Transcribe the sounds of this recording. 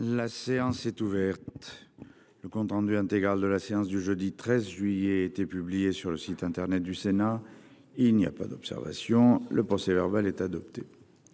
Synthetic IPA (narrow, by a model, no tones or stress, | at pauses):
laseɑ̃sɛt̪uvɛʁt̪ | ləkɔ̃t̪χɑ̃d̪yɛ̃t̪eɡʁald̪əlaseɑ̃sd̪yʒød̪it̪χɛzʒɥijeet̪epyblijesyʁləsit̪ɛ̃t̪ɛʁnɛt̪̚d̪ysena | ilnia̰pa̰d̪ɔpsɛ̰ʁva̰sjɔ̃ləpχɔsevɛʁbalɛt̪ad̪ɔp̚t̪e